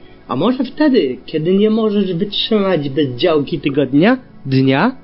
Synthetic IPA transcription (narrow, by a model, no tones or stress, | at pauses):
a̰mɔʐɛft̪ɛd̪ɘkʲɛd̪ɘɲɛmɔʐɛʐvɘtʂɘmad͡ʑbɛzd͡ʑawkʲit̪ɛɡɔd̪ɲad̪ɲa